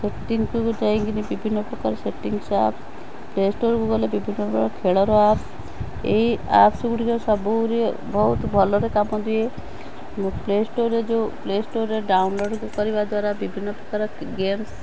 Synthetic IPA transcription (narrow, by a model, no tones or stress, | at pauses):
seʈːiŋɡkukd͡ʒajŋɡinibibʱinːɔpɾɔkaɾɔseʈːiŋɡsa̰p | plesʈoɾkuɡɔlebibʱinːɔpɾɔka̰ɾɔkʰeɭɔɾɔap | ḛiapsuɡuɽikɔsɔbuwɾe | bʱɔɦut̪bʱɔlɔɾekamɔd̪ie | plesʈoɾed͡ʒoplesʈoɾeɖawnloɖkukɔɾibad̪waɾabibʱinːɔpɾɔkaɾɔ | ɡems